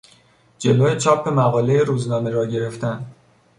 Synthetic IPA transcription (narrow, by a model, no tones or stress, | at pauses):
d͡ʒe̞loːjet͡ʃʰɒːpʰːe̞mæɣɒːle̞jeɾuːznɒːmeɾɒːɟe̞ɾe̞ft̪æn